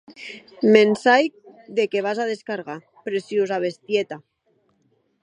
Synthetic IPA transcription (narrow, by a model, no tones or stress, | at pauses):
mensaj̚ðekeβ̞azað̞eskaɾɣa | pɾesjiuzaβ̞est̪jet̪a